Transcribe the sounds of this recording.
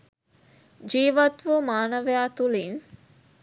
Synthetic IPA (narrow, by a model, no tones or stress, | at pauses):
d͡ʒiːʋɐt̪ʋumaːnɐʋejaːt̪uliːn